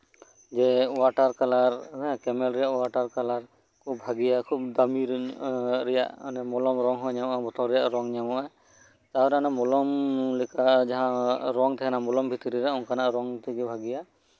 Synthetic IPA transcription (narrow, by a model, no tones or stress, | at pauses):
d͡ʒɛwaʈaɾkalaɾɛkɛmɛlɾɛjaʔwaʈaɾkalaɾ | kʰubbʱaɡijakʰub̚d̪amiɾ | ɾɛja̰ʔnɛmɔlɔmɾɔŋɦɔɲamʔabɔt̪ɔlɾɛjaʔɾɔŋɲamɔʔa | t̪aɾanamɔlɔmlɛkʰad͡ʒaɦãɾɔŋt̪ʰɛkɛnamɔlɔmbʱit̪iɾiɾɛɔnkʰanaʔɾɔŋt̪ʰiɡɛbʱaɡija